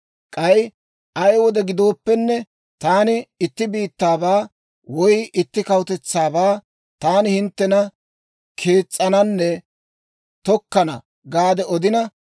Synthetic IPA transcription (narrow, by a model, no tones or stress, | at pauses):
kʼɐj | ɐjwɔd̪ɛɡɪd̪o̞ːpːɛnːɛ | t̪aːnɪɪt̪ːɪbiːt̪ːaːbaː | wɔjʔɪt̪ːɪkɐwʊt̪ɛt͡sːaːbaː | t̪aːnɪhɪnt̪ːɛnɐ | kʰe̞ːt͡sʼːɐnɐnːɛ | t̪ɔkːɐnɐ̰ | ɡaːd̪ɛɔd̪ɪnɐ